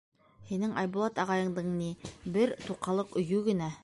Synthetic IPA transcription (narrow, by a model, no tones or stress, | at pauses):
hinɘŋʔɑjbulˠɑt̪ɑʁɑjɤ̆ɴd̪ɤɴnibɘɾt̪uqɑlˠɤqɵ̆jʉɡɘ̆næ